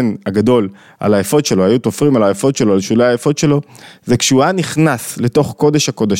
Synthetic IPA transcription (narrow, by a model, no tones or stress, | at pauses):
naɡado̞l | a̰lajafo̞tʃe̞lo̞hajutofʁimalajafo̞tʃelo̞alʃuleajefo̞tʃe̞lo̞zekʃuaniχnasle̞to̞χko̞deʃhako̞da